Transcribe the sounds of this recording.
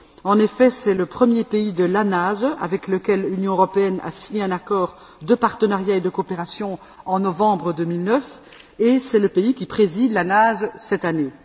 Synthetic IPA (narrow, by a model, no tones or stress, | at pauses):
ɑ̃nefɛsɛləpχəmjepeid̪əlanaza̰vɛkləkʲɛlːynjɔ̃øʁɔpeɛna̰siɲeɛ̃nakɔːʁ | d̪əpaʁt̪ənaʁjaed̪əkoːpeʁasjɔ̃ | ɑ̃nɔvɑ̃bʁəd̪øːmilnœf | esɛləpeikʲipχezid̪lanazsɛt̪ane